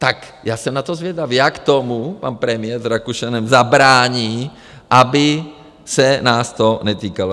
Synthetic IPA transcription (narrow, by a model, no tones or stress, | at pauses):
t̪ak | jaːsɛmnat̪ozvjɛd̪avijakt̪omupa̰npɾɛmɪjɛɾzɾakuʃanɛmzabɾaːɲiː | ʔabɪ | sɛnaːst̪onɛt̪iːkalo